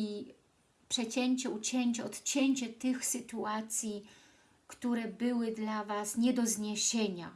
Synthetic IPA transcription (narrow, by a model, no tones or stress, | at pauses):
i | pʂɛt͡ɕɛɲt͡ɕɛut͡ɕɛɲt͡ɕɛɔt̪t͡ɕɛɲt͡ɕɛt̪ɘxsɘt̪uat̪sʲji | kt̪uɾɛbɘwɘd̪lavasɲɛd̪ɔzɲeɕɛɲa